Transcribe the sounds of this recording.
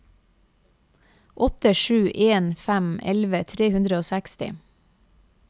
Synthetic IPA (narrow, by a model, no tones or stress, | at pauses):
ʔɔt̪əʃʉːʔeːnfæmʔɛ̰lʋət̪ʰɾeːhʉnd̪ɾəoːsækst̪ɪ̰